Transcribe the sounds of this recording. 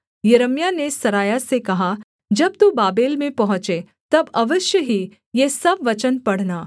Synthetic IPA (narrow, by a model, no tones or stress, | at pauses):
jəɾəmjanesɐɾaːjasekɐɦa | d͡ʒɐb̚t̪ubaːbeːlmẽpɐɦʊ̃t͡ʃe | t̪ɐbɐʋəʃjəɦi | jesɐbʋɐt͡ʃənpɐɽ̤naː